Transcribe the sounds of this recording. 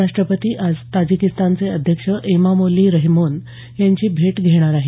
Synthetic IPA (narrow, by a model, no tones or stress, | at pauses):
aʂʈɾəpət̪iːʔad͡zt̪ad͡ʑikist̪ant͡seəd̪ʱjəkʂəʔemamoliːɾəɦimon | jaɲt͡ɕiːbʱeʈɡʱeɽ̃aɾaɦi